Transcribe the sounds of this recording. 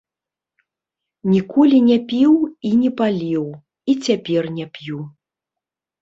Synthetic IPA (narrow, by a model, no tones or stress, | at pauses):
nʲikɔlʲinʲɛpʲiwinʲɛpalʲiw | it͡sʲapʲɛrnʲɛpʲju